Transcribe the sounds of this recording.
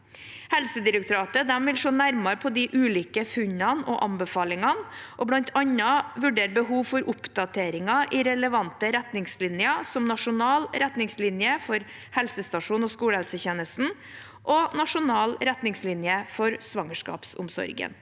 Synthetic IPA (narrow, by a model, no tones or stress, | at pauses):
hɛlsəd̪ɪɾɛk̚t̪ʊɾɑːt̪əd̪ɛmʋɪlʂoːnæɾmɑɾpʰɔd̪ɪʔʉːliːkəfʉɲɑnɔʔɑmbəfɑːlɪŋɑnʔɔblɑnt̪ʰɑɲɑʋʉɖeːɾbəɦuːʋfɔɾʔʊpd̪ɑt̪ʰeːɾɪŋɑʔɪɾɛləʋɑnt̪əɾɛt̪nɪŋslɪnjɑsɔmnɑʂʊnɑːlɾɛt̪nɪŋslɪnjəfɔɾ | hɛlsəst̪ɑʂuːnɔskuːɽəhɛlsəçeːnəst̪n̩ | ʔɔnɑʂʊnɑːlɾɛt̪nɪŋslɪnjəfɔɾsʋɑŋəʂkɑ̰ːpsʊmsɔ̰ɾɡə̰n